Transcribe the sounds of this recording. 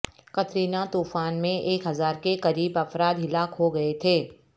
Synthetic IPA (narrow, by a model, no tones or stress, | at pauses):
kɐt̪ɾiːnat̪uːfaːnmẽʔeːkɦɐzaːɾkekɐɾiːbɐfɾaːd̪ɦɪlaːkɦoɡɐet̪ʰeː